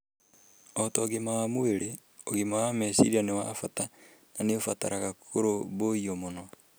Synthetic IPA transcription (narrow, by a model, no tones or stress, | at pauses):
otoːɣimawamweɾe | oɣimawamesḭɾianewa̰fata | naneofata̰ɾaɣakʰoɾoβoiomonɔ